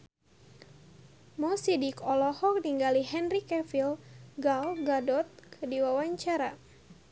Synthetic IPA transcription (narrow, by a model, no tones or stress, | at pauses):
mɔsidikɔlɔhɔk̚niŋɡalihɛnrikɛfilɡawɡadɔt̪̚kʰədiwawaɲt͡ʃaɾa